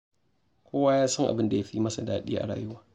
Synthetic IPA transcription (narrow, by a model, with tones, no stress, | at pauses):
kʷoː˦waː˦jaː˦sɐ˦ŋʔa̰˨bɪ˦nda˨ja˦ɸi˦mɐ˦sa˨da̰ː˦ɗḭː˦ʔa̰˨ɽa̰ː˨jʊ˦waː˨